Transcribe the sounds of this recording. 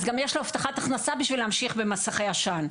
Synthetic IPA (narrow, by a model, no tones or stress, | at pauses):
zɡamjeʃloaft̪aχat̪aχnasabiʃvileamʃiχbemasaχejaʃan